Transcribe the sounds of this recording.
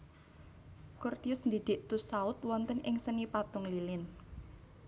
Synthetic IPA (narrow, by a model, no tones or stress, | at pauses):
kʊrt̪iʊsnd̪id̪̥ɪʔt̪ʊsaʊt̪̚wɔnt̪ənʔɪŋsənipat̪ʊŋlilɪn